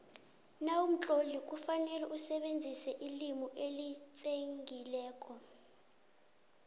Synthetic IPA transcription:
nawum̩t͡ɬʼolik̬ʼufanɛlɛʔusɛɓend͡zʱisɛʔilimuʔelit͡sʼeŋɡʱilɛːk̬ʼɔ

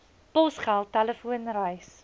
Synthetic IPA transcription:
pɔsχælˠtɛləfuənrəjs

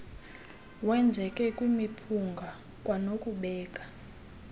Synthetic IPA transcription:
wɛnd͡zʱɛkʼɛkʼwimipʰuŋɡʱa | kʼwanokʼuɓɛːk̬ʼḁ

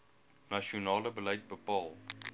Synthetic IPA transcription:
naʃionɑːləbəlɐjt̚bəpɑːlˠ

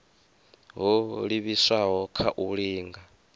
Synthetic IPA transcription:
ɦɔɺiβisaɦɔkʰaʔuɺiːŋɡa

